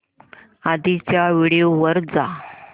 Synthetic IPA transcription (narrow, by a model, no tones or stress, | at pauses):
ad̪it͡ɕjaʋiɽioʋəɾd͡za